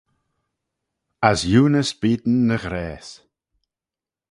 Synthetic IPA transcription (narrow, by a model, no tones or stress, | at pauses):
asjuːnəsbiːd̪n̩ːəɣɾɛːs